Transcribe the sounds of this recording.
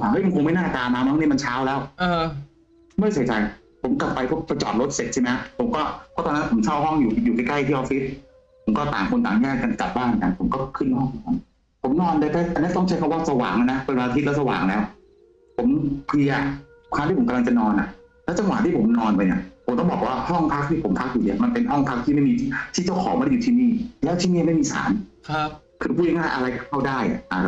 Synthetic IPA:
aː˨˩ŋʔa˦˥˩jŋkʰo˧ŋma˥˩jnaː˥˩t̪aː˧maː˧ma˦˥˩ŋniː˥˩ma˧nt͡ɕʰaː˦˥wlɛː˦˥wʔəː˧ | mɯ˥˩jsʰa˨˩˦jt͡ɕa˧j | pʰo˩˦mkla˨˩pːa˧jpʰɔ˥˩pa˧jt͡ɕɔ̰ː˨t̪̚ɾo˦˥t̪̚se˨˩t̪̚t͡ɕʰa˥˩m˦˥a˥˩pʰo˩˦mkɔː˥˩pʰɔ˦˥t̪ɔː˧na˦˥˧pʰo˩˦msʰa˥˩wɦɔ˥˩ŋjuː˨˩juː˨˩ka˧jkla˥˩jt̪ʰiː˥˩ʔɔː˧fi˦˥t̪̚ | pʰo˩˦mkɔː˥˩t̪aː˨˩ŋkʰo˧nt̪aː˨˩ŋjɛː˥˩k̚kːa˧nka̰˨˩p̚baː˥˩nka˧˩npʰo˨˩˦mkɔː˥˩kʰɯ˥˩nhɔ˥˩ŋkʰɔ˨˩ŋpʰo˨˩˦ | pʰo˩˦mnɔː˧ndɤ˧t̪ʰɛː˦˥˩ʔa˧nːi˦˥˩t̪ɔ˥˩ŋt͡ɕʰa˦˥kʰwaː˥˩sa˧wa̰ː˨˩˦ŋa˧na˦˥pe˧nwaː˧t̪ʰi˦˥lɛ˦˥wsa˧wa̰ː˨˩˦ŋlɛː˦˥w | pʰo˩˦mkʰli˧ɐ | kʰaː˧t̪i˥˩po˩˦ka˧la˧t͡ɕa˨nɔː˧nʔa̰˨˩ʔ | lɛː˦˥wt͡ɕa˧ŋwa̰˨˩t̪ʰiː˥˩pʰo˩˦mnɔː˧npa˧jni˧˥˩pʰo˩˦mt̪ɔ˥˩bɔː˨˩k̚waː˥˩hɔ˥˩ŋpʰa˦˥k̚t̪ʰiː˥˩pʰo˨˩˦mpʰa˦˥k̚juː˨˩ni˧˥˩ɐma˧npe˧nɦɔ˥˩ŋpʰa˦˥k̚t̪ʰiː˥˩ma˥˩jmiː˧˩t̪ʰiː˥˩t͡ɕa˥˩wkʰɔː˨˦ma˧djuː˨˩t̪ʰiː˥˧niː˥˩lɛː˦˥t̪ʰi˥˩niː˥˩˨ma˥˩jmiː˧sa̰ː˩˦nʰ | kʰɯː˧pʰuː˥˩˨a˧˦ŋaː˥˩ʔa˧ɾa˧jka˥˩kʰa˥˩wdaː˥˩jʔa̰˨˩ʔa˨˩˧

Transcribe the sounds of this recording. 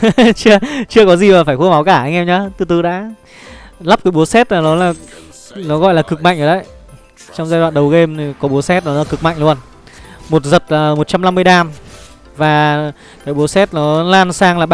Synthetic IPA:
t͡ɕɨ˧ət͡ɕɨ˧əkɔ˨˦zi˨˩maː˨˩faː˧˩jxu˧˦ma˨˦wkaː˧˩ʔa˧jŋ̟ʔɛ˧mɲaː˨˧˦t̪ɨ˨˧˩t̪ɨ˨˦ɗa̰ː˧˥ | la˦˥p̚ka˨˦ɓu˨˦əsɛ˦˥t̚laː˨˩nɔ˨˦laː˨˩ | nɔ˨˦ɣɔ̰˧˨jlaː˨˩kɨ˨˩k̚ma̰˧˨ŋʔzɔ˨˩ɗə˨˦j | t͡ɕɔ˧wŋ͡mzaː˧jɗwa̰ː˧˨nɗə˨˩wɣe˧mʰi˨˩kɔ˨˦ɓu˨˦əsɛ˦˥t̚lɔ˨˦ɔ˨˦˧kɨ˨˩k̚ma̰˧˨ŋ̟lu˧ən | mo˨˩t̚zə˨˩t̚laː˨˩mo˨˩t̚t͡ɕa˧mla˧mːɨ˧əjɗaː˧˩m | vaː˨˩ | kaː˨˦jɓu˨˦sɛ˦˥t̚nɔ˨˦laː˧nsaː˧ŋlaː˨˩ɓ

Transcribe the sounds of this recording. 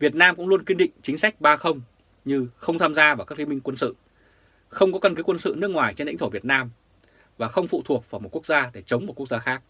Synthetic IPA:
vi˨˩ət̚naː˧mkʊ̰˧˥ŋ͡mlu˧ənkwi˧nɗḭ̈˧˨ŋ̟t͡ɕï˨˦ŋ̟sa˦˥k̟̚ɓaː˧xə˧wŋ͡m | ɲɨ˧xə˧wŋ͡mt̪ʰaː˧mzaː˧vaː˨˩kaː˦˥kli˧mï˧ŋ̟kwə˧nsɨ̰˧˨ | xə˧wŋ͡mkɔ˨˦kə˧nkɨ˨˦kwə˧nsɨ̰˧˨nɨ˦˥ək̚ŋwaː˨˩jt͡ɕe˧nl̰ḭ˧˥ŋtʰo˧˩vi˨˩ət̚naː˧m | vaː˨˩xə˧wŋ͡mfṵ˧˨t̪ʰu˨˩ək̚vaː˧˩jmo˨˩t̚ku˦˥ək̚zaː˧ɗe˧˩t͡ɕə˨˦wŋ͡mmo˨˩t̚ku˦˥ək̚zaː˧xaː˦˥k̚

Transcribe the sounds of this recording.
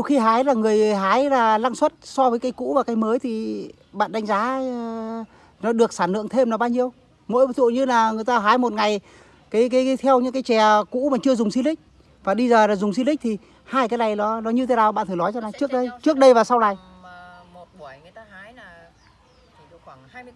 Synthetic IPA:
ɗwxi˧ɦaː˨˦jlaː˨˩ŋɨ˨˩əjɦaː˨˦jlaː˨˩laː˧ŋswə˦˥t̚sɔ˧vəː˨˦jkaː˨˧jkṵ˧˥vaː˨˩kaː˨˦jməː˨˦jt̪ʰi˨˩ | ɓa̰ː˧˨nɗa˨˦ŋ̟zaː˨˦ | nɔ˨˦ɗɨ˨˩ək̚saː˧˩nlɨ̰˧˨əŋt̪ʰe˧mnɔ˨˦ɓaː˧wɲi˧əw | mo̰˧˥jt̪ʰu˧˨ɲɨ˧laː˨˩ŋɨ˨˩əjt̪aː˧ɦaː˨˦jmo˨˩t̚ŋa˨˩j | kaː˨˦jkaː˨˦jka˨˦jt̪ʰɛ˧wɲɨ̰˧˥ŋkaː˨˦jt͡ɕɛ˨˩kṵ˧˥maː˨˩t͡ɕɨ˧əzʊ˨˩ŋ͡msi˧nlï˦˥k̟̚ | vaː˨˩ɗi˧zəː˨˩laː˨˩zʊ˨˩ŋ͡ms̬i˧nlï̟˦˥t̪ʰi˨˩ | haː˧jkaː˨˦jna˨˩jɗɔ˨˦nɔ˨˦ɲɨ˧t̪ʰe˨˦naː˨˩wɓa̰ː˧˨nʰɨ˨˩˨lɔ˨˦jt͡ɕna˨˩jt͡ɕɨ˦˥ək̚ɗə˧jt͡ɕɨ˦˥ək̚ɗə˧jvaː˨˩sa˧wna˨˩j

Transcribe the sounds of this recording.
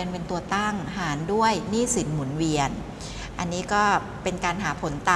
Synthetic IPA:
ənpe˧nt̪u˧ɐt̪a˥˩ŋhaː˩˦ndu˥˩əjniː˥˩si˩˦nmu˩˦nwi˧ən | ʔa˧nːiː˦˥kɔː˥˩ | pe˧nkaː˧nɦaː˩˦pʰo˩˦nt̪aː˧

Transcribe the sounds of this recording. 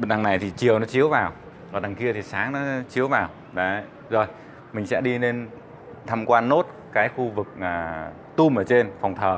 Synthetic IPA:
ɓə˨nɗa˨˩ŋna˨˩jt̪ʰi˨˩t͡ɕi˨˩əwnɔ˨˦t͡ɕi˨˦əwvaː˨˩w | ɔ̰˨ɗa˨˩ŋki˧ət̪ʰi˨˩saː˨˦ŋnɔ˨˦t͡ɕi˨˦əwvaː˨˩w | ɗə˨˦ | zo˨˩j | mï˨˩ŋ̟sɛ̰˧˥ɗi˧ne˧n | t̪ʰa˧mkwaː˧nːo˦˥t̚ | kaː˨˦jxu˧vɨ˨˩k̚ʔaː˨˩ | t̪u˧mʔəː˧˩t͡ɕe˧nfa˨˩wŋ͡mt̪ʰəː˨˩

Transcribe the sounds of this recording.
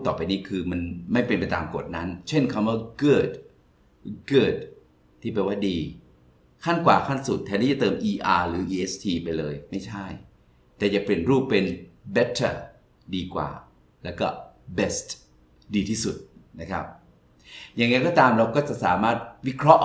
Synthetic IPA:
t̪ɔː˨˩pa˧jniː˦˥˩kʰɯː˧ma˧nma˥˩jpe˧˨npa˧jt̪aː˧mko˨˩t̪̚na˦˥nt͡ɕʰe˥˩nkʰa˧mwaː˥˩kɤː˥˩t̪̚ | kɯɤː˥˩t̪̚ʰː | iː˥˩p̬e˧nwaː˥˩diː˧ | kʰa˥˩nkwaː˨˩kʰa˥˩nsu˨˩t̪ʰːɛː˧niː˥˩t͡ɕa˨˩t̪ɤː˧mʔiː˧ʔaː˧ɾɯː˩˦ʔiː˧ʔe˦˥st̪ʰiː˧pa˧jlɤː˧jma˥˩jt͡ɕʰa˥˩j | t̪ɛː˨˩ja˨˩pli˨˩ənɾuː˥˩pːe˧nbɛ˦˥t̪ʰːa˥˩ | diː˧kwa̰ː˨˩ | lɛː˦˥wkɔː˥˩be˨˩st̪ | diː˧t̪ʰiː˥˩su˨˩t̪̚na˦˥kʰa̰˦˥p̚ | jaː˨˩ŋa˧jkɔː˥˩t̪aː˧mɾa˧wkɔː˥˩t͡ɕa˨ʔsaː˩˦maː˥˩t̪̚wi˦˥kʰɾɔ˦˥ʔ

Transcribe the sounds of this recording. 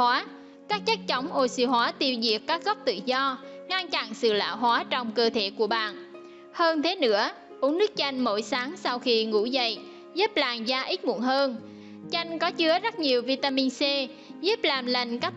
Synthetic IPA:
aː˨˦ | kaː˦˥k̚t͡ɕa˦˥k̚t͡ɕɔ˨˦wŋ͡mʔo˧sɨ̰˧˩ɦwaː˨˦t̪i˧wzḭ˧˩əkkːaː˦˥k̚ɣɔ˦˥k͡p̚t̪ɨ̰˧˨zɔ˧ | ŋa˧nt͡ɕa˧˩nsɨ̰˧˨la̰ː˧˨wɦwaː˨˦t͡ɕɔ˧wŋ͡mkəː˧t̪ʰe˧˩ku˧˩əɓa̰ː˧˨˩n | həː˧nt̪ʰe˨˦nɨ̰˧˥ə | ʔu˨˦əŋnɨ˦˥ək̚t͡ɕa˧jŋ̟mo̰˧˩jsaː˨˦ŋsa˧wxi˧ŋṵ˧˥zə̰˧˨j | zuː˦˥p̚laː˨˩mzaː˧ʔi˦˥t̚mṵ˧˩ənhəː˧n | t͡ɕa˧jŋ̟kɔ˨˦t͡ɕɨ˨˦əzə˦˥t̚ɲi˨˩əwvi˧t̪aː˧mi˧nsɛ˧ | zu˦˥p̚laː˨˩mlə˧˩jŋ̟kaː˦˥k̚

